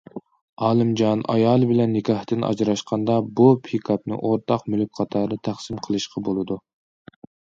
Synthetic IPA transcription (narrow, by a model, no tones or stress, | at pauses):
ɑːlˠɨmd͡ʒɑnɑ̰jɑːlˠɨbɪlɛnːɪkʰʲɑht̪ɨnɑ̰d͡ʒɾɑʃqʰɑnd̪ɑbupʰikʰɑp̚nɨ̰ʔoɾt̪ʰɑqmylyk̚ʲqʰɑt̪ʰɑːɾnɨt̪ʰæχsɨmqʰəlˠɨʃqʰɑbolˠɨd̪u